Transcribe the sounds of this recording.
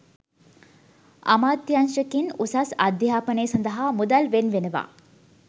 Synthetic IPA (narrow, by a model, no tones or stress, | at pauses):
a̰maːd̪janʃəkinusasad̪jaːpəneːsɐnd̪əɦamud̪alʋenʋenəʋa̰ː